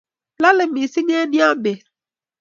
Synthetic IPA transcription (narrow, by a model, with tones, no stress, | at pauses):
la˦lɪ˨˦mĩ˨si˦ɲ˦ɛ̃˦nĩ˦a˦be˨